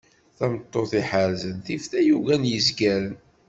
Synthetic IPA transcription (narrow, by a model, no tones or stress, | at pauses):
θæmt̪ˤːoθiħəɾzənθifθæjuʝænjəzɡæɾən